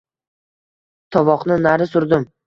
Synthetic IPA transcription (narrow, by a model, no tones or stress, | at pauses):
t̪ʰɒvɒqnɪnaɾɪsʊɾd̪ɪm